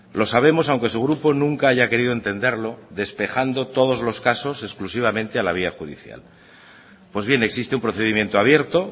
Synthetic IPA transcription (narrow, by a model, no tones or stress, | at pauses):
lo̞saβ̞e̞mo̞s̬awŋke̞suɣɾupo̞nũŋkaaʝake̞ɾiðoent̪e̞nd̪e̞ɾlo̞ðe̞spe̞xand̪o̞t̪o̞ð̞o̞zlo̞skaso̞se̞sklusiβ̞amẽnt̪e̞alaβ̞iaxuðḭθja̰l | pwe̞zβje̞ne̞ksist̪eumpɾo̞θe̞ðimje̞nt̪oaβje̞ɾt̪o̞